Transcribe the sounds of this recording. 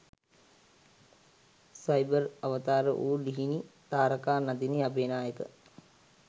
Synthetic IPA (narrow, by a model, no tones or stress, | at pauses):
sajbərɐʋət̪aːɾə̰ʔuːliɦinit̪aːɾəkaːnad̪iniabeːnaːjəkə̰